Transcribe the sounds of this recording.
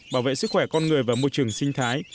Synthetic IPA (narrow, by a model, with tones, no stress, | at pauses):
ɓaː˧˩wvḛ˧˨sɨ˦˥k̚xwɛ˧˩kɔ˧nŋɨ˨˩əjvaː˨˩mo˧jt͡ɕɨ˨˩əŋsï˧ŋ̟t̪ʰaː˨˦j